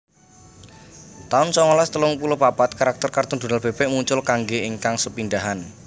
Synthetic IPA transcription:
t̪aʊnsɔŋɔlast̪əlʊŋpulopapat̪̚kaɾak̚t̪ərkart̪ɔnd̪̥unalb̥e̤b̥eʔmuɲt͡ʃʊlkaŋɡeiŋkaŋsəpinɖaɦan

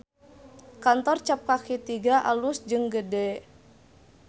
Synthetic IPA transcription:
kant̪ɔrt͡ʃap̚kakit̪iɡaʔalusd͡ʒɨŋɡədɛ

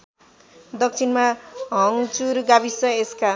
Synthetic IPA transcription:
d̪ʌk̚t͡sʰinmaɦʌŋt͡suɾɡabisʌeska

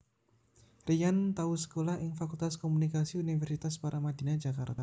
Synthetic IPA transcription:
rijant̪ausə̥kolahɪŋfakult̪askomunikasiunifərsit̪aspaɾʔamad̪i̤nad͡ʒakart̪a

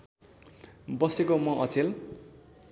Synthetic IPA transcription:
bʌsekomʌʔʌt͡sel

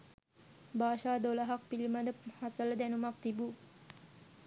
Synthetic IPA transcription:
baːʃaːd̪olaɦak̚pilimad̪əhasələd̪ænumak̚t̪ibu

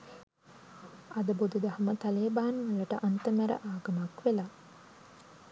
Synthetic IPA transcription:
ɐd̪əbod̪ud̪ɐɦɐmət̪ɐleːbaːnʋələʈəʔant̪əmæɾə̰ʔaːɡɐmakʋela

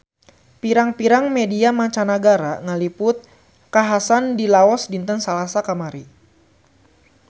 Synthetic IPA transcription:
piɾaŋpiɾaŋmediamat͡ʃanaɡaɾaŋalipʊt̪̚ | kaɦasandilaɔsdint̪ənsalasakamaɾi

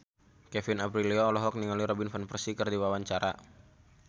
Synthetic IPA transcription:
kɛfinapɾiliɔːlɔɦɔk̚niŋaliɾɔbinfɔnfərsikɨrdiwawaɲt͡ʃaɾa̰

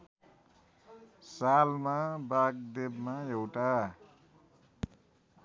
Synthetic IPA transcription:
salmabak̚d̪ebmaewʈa

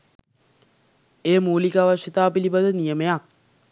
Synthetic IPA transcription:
eːmuːlikaːʋɐʂit̪aːpilibad̪ənijəmejak̚

